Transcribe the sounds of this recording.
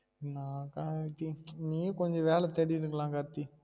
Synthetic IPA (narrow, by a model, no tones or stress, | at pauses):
nãːkat̪ːinĩːẽkɔɲd͡ʒɔ̃ʋeːlɛt̪ɛɽɪɾɯkːɐlãːkɐɾt̪ːi